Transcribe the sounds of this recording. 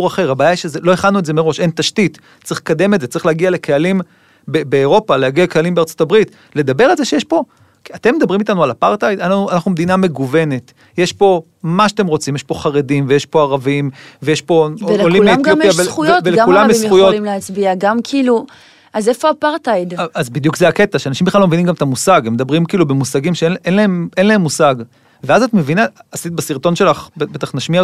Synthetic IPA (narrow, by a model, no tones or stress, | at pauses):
uaχeʁhabaːjaiʃezelo̞e̞χadnuezemeʁo̞ʃent̪aʃtit | t͡sʁiχle̥kad̪e̞metzet͡saʁi̥χleaɡiale̞kealim | bebeːʁo̞palehaɡialekealimbeaʁt͡so̞tabʁit̪ | le̞d̪abe̞ʁalzeʃejeʃpo̞ | at̪emːed̪abʁimit̪anualapaʁt̪ajd̪anauanaχnumed̪iname̞ɡuve̞ne̞t | je̞ʃpo̞ | maʃat̪e̞mʁo̞t͡simjeʃpo̞χaʁe̞dimvejeʃpo̞aʁavimvejeʃpo̞lolimeojaveχujoveleulamjesujolimleat͡sbiaɡamkʰiːlu | azefoapaʁt̪ajd̪azbid̪jukzeaket̪aʃeanaʃimbeχlalomevinimɡamet̪amusaɡemedabʁimkiːlubemusaɡimʃeenlaemenlae̞mːusaɡ | veazat̪me̞vinaːsit̪̚basiʁt̪o̞nʃe̞laχbebet̪aχnaʃmia